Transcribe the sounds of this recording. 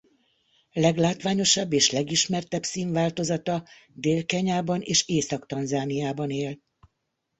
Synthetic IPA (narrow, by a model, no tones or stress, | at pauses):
lɛɡlaːt̪ʋaːɲo̞ʃɒbːeːʃlɛɡiʃmɛrt̪ɛbsiːɱvaːlt̪o̞zɒt̪ɒ | d̪eːlkɛɲaːbɒneːʃeːsɒkt̪ɒnzaːnijaːbɒneːl